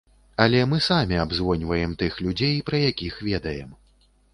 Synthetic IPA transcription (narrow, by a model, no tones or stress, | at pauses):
ɐlʲɛmɨsamʲiabzvɔnʲvɐjɛmt̪ɨxlʲud͡zʲejpɾɐjakʲixvʲɛd̪ɐjɛm